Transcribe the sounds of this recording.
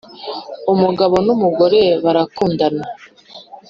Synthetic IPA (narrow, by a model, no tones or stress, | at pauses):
umuɡaβo̞numuɡo̞ɾe̞βaɾakuːndana